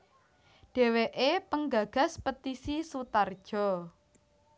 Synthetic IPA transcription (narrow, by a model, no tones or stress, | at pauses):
ɖ̥ɛ̤weʔepəŋɡaɡ̥a̤spət̪isisut̪ard̥ʒ̥ɔ